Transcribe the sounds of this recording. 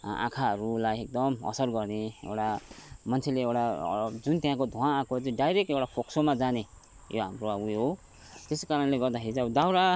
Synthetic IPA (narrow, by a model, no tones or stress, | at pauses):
ã̰kʰaɦʌɾulajek̚d̪ʌmʌ̰sʌrɡʌrneḛwʈamʌnt͡sʰeleewʈad͡zunt̪jãkod̪ʱuããkot͡sʌĩɖajɾek̚ʈewʈapʰoksomad͡zane | joɦamroaɡuɦo | t̪eskaɾʌnleɡʌrd̪aɦet͡sʌbʌd̪awɾa